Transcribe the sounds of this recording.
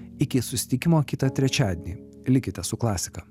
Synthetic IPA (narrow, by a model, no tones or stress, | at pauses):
ɪkʲɪsʊsʲɪ̥t̪ʲɪkʲɪmoːkʲɪt̪ɐt̪ʲɾʲɛt͡ʃʲæːd̪ʲnʲiː | lʲɪkʲɪt̪ʲɛsʊklˠɑːsʲɪ̥kɐ